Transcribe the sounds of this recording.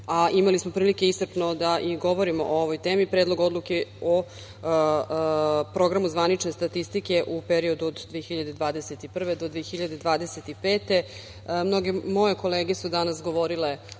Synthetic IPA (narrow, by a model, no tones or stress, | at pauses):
aʔimalismo̞pɾiːlike̞isr̩pno̞d̪aʔiɡo̞ʋo̞ɾimo̞̰ʔooʋojt̪e̞ːmipɾeːd̪lˠo̞ɡo̞d̪luke̞o | pɾo̞ɡɾamuzʋanit͡ʂne̞st̪at̪ist̪ike̞ʔupeɾio̞d̪uod̪d̪ʋeexiʎad̪e̞d̪ʋaːd̪ese̞t̪ipr̩ʋe̞d̪o̞d̪ʋexiʎad̪e̞d̪ʋaːd̪ese̞t̪ipe̞ːt̪e̞ | mno̞ɡe̞mo̞je̞ko̞le̞ːɡe̞sud̪anasɡo̞ʋo̞ɾile̞